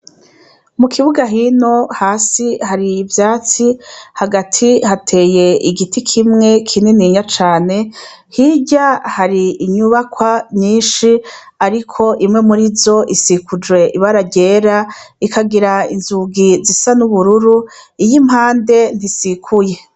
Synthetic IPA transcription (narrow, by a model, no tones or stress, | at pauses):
mukʰiβuɡaɦino̞haːsihaɾiːvjaːt͡sihaɡatʰihatʰe̞ːje̞iɡitikʰimŋe̞kʰininiɲat͡ʃaːne̞ | hiɟahaɾiiɲuβakwaɲɲiːnʃi | aɾikʰo̞ʔimŋe̞muɾizo̞ʔisikʰud͡ʒwe̞ʔiβaɾaɟe̞ːɾaikaɡiɾaḭnzuɡizisanuβuɾuɾuijimhaːnde̞n̥isikʰuje̞